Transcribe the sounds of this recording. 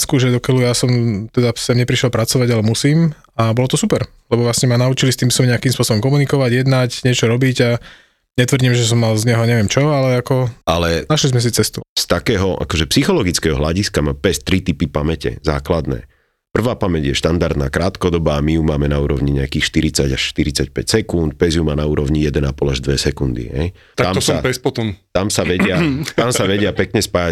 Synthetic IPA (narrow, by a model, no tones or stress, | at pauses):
skuʒɛd̪ɔkɛlujasɔmt̪ɛd̪asamɲɛpɾiʃjɛlpɾat͡sɔʋaɟalɛmusiːm | abɔlɔt̪ɔsupɛɾ | lɛbɔʋlasɲɛmanaut͡ʃilist̪iːmsɔmɲɛakimspʊɔsɔbɔmkɔmunikɔʋaɟjɛd̪nacɲɪɛt͡ʃɔɾɔbiɟa | ɲɛt̪ʋr̩ɟimʒɛs̬ɔmːalzɲɛɦɔɲɛʋɪɛmt͡ʃɔalɛakɔʔalɛnaʃlizmɛs̬it͡sɛst̪ust̪akɛːɦɔʔa̰kɔʒɛpsixɔlɔɡit͡skɛɦɔ̰ɦlaɟiskamapɛst̪ɾit̪ipipamɛcɛ̰zaːklad̪nɛ̰ː | pr̩ʋaːpamɛɟjɛʃt̪and̪aɾd̪naːkɾaːt̪kɔd̪ɔbaːmijumaːmɛnauːɾɔʊɲiɲɛakiːxʃt̪iɾit͡saɟaʃʃt̪iɾit͡sacpɛcsɛkunt̪̚pɛzjumaːnauːɾɔʊɲijɛd̪ɛnapɔlaʒd̪ʋɛsɛkund̪ḭɦɛ̰j | t̪aasapɛspɔt̪ɔmt̪amsaʋɛɟɪat̪amsaʋɛɟɪapɛkɲɛspaːja